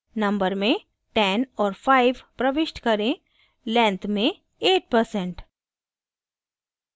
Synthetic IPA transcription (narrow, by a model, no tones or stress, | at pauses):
nɐ̃mbəɾmẽ | ʈɛːnɔːɾfʰaːɪʋpɾɐʋɪʃʈkɐɾẽ | lɛ̃ːnt̪mẽ | eːʈ̚pɐɾsɛ̃ɳʈ